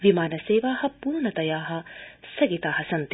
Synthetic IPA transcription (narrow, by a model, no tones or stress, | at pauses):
ʋimaːnɐseːʋaːhɐ̆puːɾɳɐt̪ɐjaːɦɐ̆sɐɡit̪aːɦɐsɐnt̪